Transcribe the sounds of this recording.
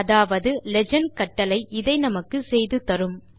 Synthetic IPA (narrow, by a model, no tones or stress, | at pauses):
ɐðaːʋɐðɯlɛd͡ʒɐnkɐʈːɐlɐɪʔɪðɐɪnɐmɐkːɯsɛjðɯt̪ɐɾɯm